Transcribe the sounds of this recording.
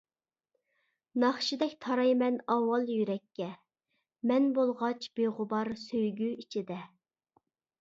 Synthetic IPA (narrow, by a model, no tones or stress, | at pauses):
nɑχʃid̪ɛkʲt̪ʰɑɾɑjmɛnɑwɑlˠjyɾɛkʲʰːɛ | mɛnbolˠʁɑt͡ʃʰb̥eʁʊbɑɾsøjɡʲyit͡ʃʰid̪ɛ